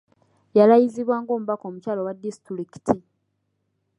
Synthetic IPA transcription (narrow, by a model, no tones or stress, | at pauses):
jalajiziβwaːŋɡo̞ːmuβako̞ːmucaːlo̞wadːistuɾiki̥tʰi